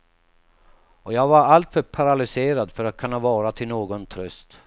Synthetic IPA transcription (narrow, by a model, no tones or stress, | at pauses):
ɔjɑːɡvaɾalt̪fœɾpʰaɾalʏseːɾad̪fœɾat̪̚kʰɵnːavɑːɾat̪ʰɪlnoːɡɔnt̪ʰɾɵst̪